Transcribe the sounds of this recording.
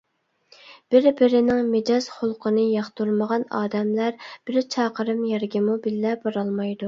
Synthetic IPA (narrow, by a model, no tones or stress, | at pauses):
b̥ɪɾbɪɾɪnɪŋmɪd͡ʒɑz̥χʊlˠqʰənɨjɑχt̪uɾməʁɑnɑ̰ːd̪ɛmlæɾb̥ɪɾt͡ʃʰɑːqəɾɨmjɛɾɡʲɪmubɪlːɛbɑɾɑlˠmɑjd̪u